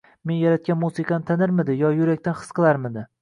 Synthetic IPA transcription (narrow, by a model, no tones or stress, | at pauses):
me̞njaɾat̪̚kʲanmusɨqʰɑnt̪ʰanɪɾmɪd̪ɪjɒjʊɾakʲt̪anχɨ̥sqʰɨlˠaɾmɪd̪ɪ